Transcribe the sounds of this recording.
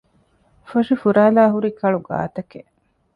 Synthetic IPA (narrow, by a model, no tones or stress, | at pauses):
fɐʃufuɾaːlaːɦuɾikɐɭuɡa̰ːt̪ɐke